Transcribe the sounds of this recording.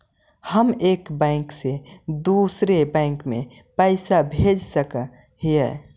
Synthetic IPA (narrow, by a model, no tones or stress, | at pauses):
həmeːkbɛ̃ɪ̃ksed̪uːsɾebɛ̃ɪŋkmḛ̃ | pəɪsabʱeːd͡ʒsəkə | ɦiɛ̰